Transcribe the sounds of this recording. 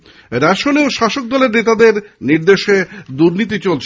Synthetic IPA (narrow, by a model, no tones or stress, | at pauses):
ɾɛʃoneoʃaʃok̚d̪ɔleɾnet̪ad̪eɾniɾd̪eʃed̪uɾnit̪̬it͡ɕolt͡ɕʰ